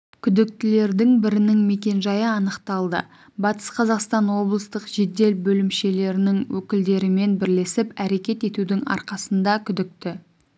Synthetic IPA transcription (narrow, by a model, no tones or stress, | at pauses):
kʲʰʏd̪ɪk̚t̪ɪle̞ɾd̪ɪŋbɪɾɪnɪŋme̞kʲe̞nʒɑjəɑnəqt̪ɑlˠd̪ə̰ | bɑt̪ə̥sqʰɑzɑqst̪ɑnwo̞blˠəst̪əqʒed̪e̞lbɵlɪmʃe̞le̞ɾɪnɪŋwɵkʲɪld̪e̞ɾɪme̞nbɪɾle̞sɪpæɾe̞kʲe̞t̪e̞t̪ud̪ɪŋɑ̰ɾqɑsənd̪ɑkʲʰʏd̪ɪk̚t̪ɪ